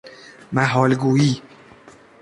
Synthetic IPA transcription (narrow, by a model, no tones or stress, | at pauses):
mæɦɒːlɡuːiː